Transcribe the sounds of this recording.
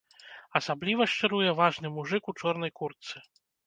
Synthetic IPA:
ɐsablʲivɐʂt͡ʂɨɾujɛvaʐnɨmuʐɨkut͡ʂɔrn̪ɐjkurt̪sɨ

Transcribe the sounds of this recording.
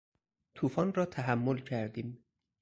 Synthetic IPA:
t̪ʰuːfɒːnrɒːt̪ʰæɦæmːolcʰæɾd̪iːm

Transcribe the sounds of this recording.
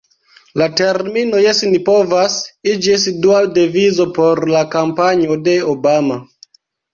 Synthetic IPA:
late̞ɾmino̞jesnipo̞vasid͡ʒies̬iduadevizo̞po̞ɾlakampaɲode̞obama

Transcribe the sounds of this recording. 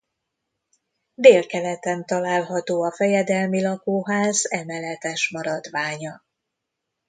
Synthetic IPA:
d̪eːlkɛlɛt̪ɛnt̪ɒlaːlɦɒt̪oːɒfɛjɛd̪ɛlmilɒkoːɦaːzɛmɛlːɛt̪ɛʃmɒɾɒd̪ʋaːɲɒ

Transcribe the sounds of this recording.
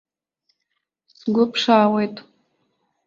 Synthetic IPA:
sɡʷʊpʰʂaːwejtʼ

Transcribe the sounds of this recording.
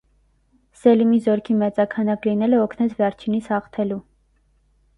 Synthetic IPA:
sɛlimizɔɾkʰimɛt͡sɑkʰɑnɑklinɛləɔkʰnɛt͡sʰvɛɾt͡ʃʰinit͡sʰhɑχt̪ʰɛlu

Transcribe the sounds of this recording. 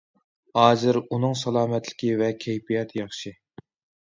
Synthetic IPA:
hɑːzɨɾunɨŋsɑlˠɑːmɛt̪ʰlɪ̥kʲivɛkʲʰɛjpijɑt̪ʰjɑχʃi

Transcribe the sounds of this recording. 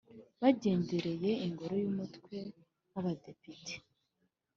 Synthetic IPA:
βaɟe̞ːndeɾeje̞iŋɡo̞ɾo̞jumutkwe̞ | naβade̞pitʰe̥

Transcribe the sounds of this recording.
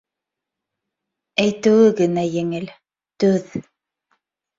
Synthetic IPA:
æjt̪ɘ̆wɘɣɘ̆næjeŋɘl | t̪ɵð

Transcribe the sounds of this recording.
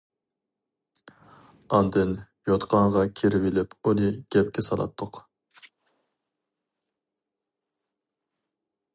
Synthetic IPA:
ɑnd̪ɪn | jot̪qʰɑɴʁɑkʲʰiɾɪvɪlɪpolɪɡ̥ʲɛp̚kʲɛsɑlˠɑ̰t̪ʰːʊq

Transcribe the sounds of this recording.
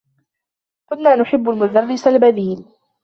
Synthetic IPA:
kʊnːaːnʊħɪbːʊlmʊd̪arːɪsalbad̪iːl

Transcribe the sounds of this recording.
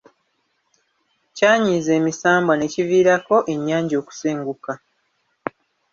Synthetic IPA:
caːɲiːze̞ːmisaːmbane̞ːciviːɾako̞ʔe̞ɲːaːɲɟo̞ːku̥seːŋɡuka

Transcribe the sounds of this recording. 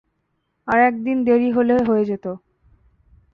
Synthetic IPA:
aɾɛk̚d̪ind̪eɾiɦoleɦoed͡ʑet̪o

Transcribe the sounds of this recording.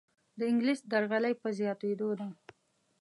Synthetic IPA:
d̪əɪŋɡlisd̪aɾɣalajpəzjɑt̪ed̪od̪a

